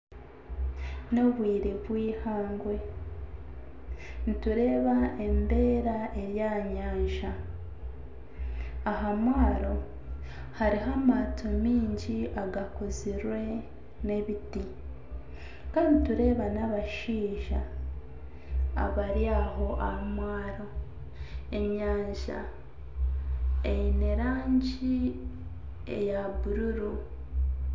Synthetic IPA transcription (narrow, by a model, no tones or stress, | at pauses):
no̞βwiːɾe̞βwiːhaːŋɡwe̞ | nituɾe̞ːβae̞nde̞ːɾaʔe̞ɾjaːɲaːɲʒa | ɦamwaːɾo̞ | haɾiɦamatʰomiːɲɟiaɡakoziɾwe̞ | ne̞βiti | kaːndituɾe̞ːβanaβaʃiːʒa | a̰βaɾjaɦo̞ʔahamwaːɾo̞ | e̞mɲaːɲʒa̰ | ejineɾaːɲɟi | ḛjaβuɾuɾu